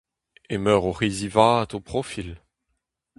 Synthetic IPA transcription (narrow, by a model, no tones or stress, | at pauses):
emœːʁoʁizivaːt̪opχɔfil